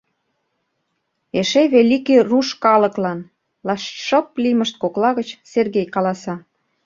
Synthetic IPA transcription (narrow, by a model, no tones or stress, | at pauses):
eʃeβelikeruʃkɑlə̆klɑn | lɑʃʃɤ̆p̚liməʃt̪̚koklɑɣə̆t͡ɕserɣejkɑlɑsɑ